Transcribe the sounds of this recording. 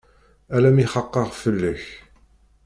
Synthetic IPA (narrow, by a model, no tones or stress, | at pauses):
ælæmiχɑqːəʁfəlːəç